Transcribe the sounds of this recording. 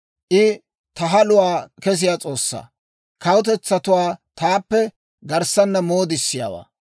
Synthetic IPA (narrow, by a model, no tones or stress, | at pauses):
ʔɪ | t̪ɐɦɐlʊwaːkɛs̬ɪjaːt͡sʼo̞ːsːa̰ː | kɐwʊt̪̬ɛt͡sːɐt̪ʊwaːt̪aːpːɛ | ɡɐɾsɐnːɐmo̞ːd̪ɪsːɪja̰ːwa̰ː